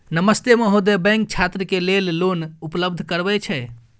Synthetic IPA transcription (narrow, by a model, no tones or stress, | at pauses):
nəməst̪emeɦod̪ebɛ̃ŋk̚t͡ʃʰat̪ɾəkelellonupləb̚d̪ʱkəɾbɛt͡ʃʰɛ